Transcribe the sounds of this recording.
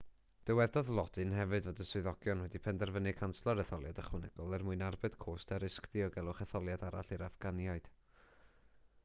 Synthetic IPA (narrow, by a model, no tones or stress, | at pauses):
d̥ɛwɛdɔðlˠɔd̥ɨnhɛvɨdvɔdəswɨðɔɡ̥jɔnwɛdipʰɛndɛrvənɨkʰanslˠɔɾɛθɔlˠjadəχwənɛɡ̥ʊlˠɛrmʊɨnarbɨd̥kʰoːstaɾɪskðiɔɡɛlˠʊχɛθɔlˠjadaɾa̰ɬɨɾafɡ̥anjaɨd̥